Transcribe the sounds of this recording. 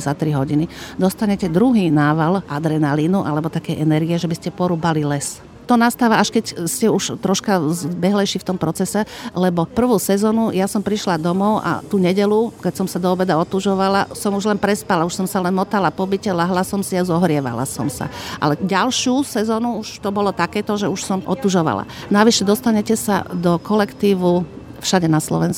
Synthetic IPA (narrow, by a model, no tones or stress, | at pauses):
zat̪ɾiɦɔɟinid̪ɔst̪aɲɛcɛd̪ɾuɦiːnaːʋalʔad̪ɾɛnalinuʔalɛbɔt̪akɛjɛnɛɾɡiɛʒɛbiscɛpɔɾuːbalilɛs | t̪ɔnast̪aːʋaaʃkɛcscɛuʃt̪ɾɔʃkazbɛɦlɛjʃift̪ɔmpɾɔt͡sɛsɛlɛbɔpr̩ʋuːsɛzɔːnujasɔmpɾiʃlad̪ɔmɔʊʔa̰t̪uɲɛɟɛlukɛcsɔmsad̪ɔɔbɛd̪aɔt̪uʒɔʋalasɔmuʒlɛnpɾɛspalauʃsɔmsalɛnmɔt̪alapɔbicɛlaɦlasɔmsiazɔɦɾɪɛʋa̰la̰sɔ̰msa̰ʔa̰lɛɟalʃusɛzɔːnuuʃt̪ɔbɔlɔt̪akɛːt̪ɔʒɛuʃsɔmʔɔ̰t̪uʒɔʋa̰la̰ | naʋiʃɛd̪ɔst̪aɲɛcɛsa̰d̪ɔkɔlɛkt̪iːʋu | fʃaɟɛnaslɔ̰ʋɛnsk